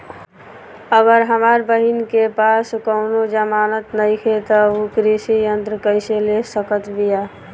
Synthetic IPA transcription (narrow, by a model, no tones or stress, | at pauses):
əɡəɾɦəmaɾbəɦinkepaskəʊnod͡ʒəmanət̪nəjkʰet̪əukɾisijənt̪ɾəkəɪselesəkət̪bija